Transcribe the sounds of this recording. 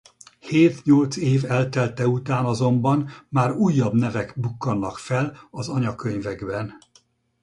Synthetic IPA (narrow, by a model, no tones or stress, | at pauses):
heːt̪ɲolt̪seːvɛlt̪ɛlt̪ɛut̪aːnɒzo̞mbɒnmaːɾuːjːɒbnɛvɛɡbukːɒnːɒkfɛlɒzɒɲɒkøɲvɛɡbɛn